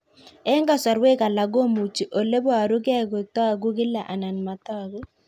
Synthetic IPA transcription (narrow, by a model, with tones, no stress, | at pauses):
ɛ˦ŋɡa˦˨sɔ˨ɾwe˦ka˨la˨ɡo˦mu˨t͡ʃi˨ʔo˨le˦bwa˨ɾu˦kɛ˦˨ɡo˨tɔ˦˨ɡu˦kɪ˦la˨ʔa˨na˨nma˨tɔ˦˨ɡu˦